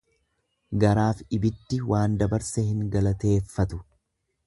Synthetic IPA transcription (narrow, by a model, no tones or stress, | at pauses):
ɡɐɾaːfɪbɪd̪ːɪwʔaːnd̪ɐbɐɾsɛhɪŋɡɐlɐt̪e̞ːfːɐt̪ʊ̥